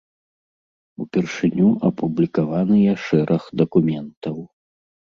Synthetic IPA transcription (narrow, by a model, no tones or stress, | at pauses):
upʲɛrʂɨnʲuʔɐpublʲikavanɨjɐʂɛɾʔɐxd̪ɐkumʲɛnt̪ɐw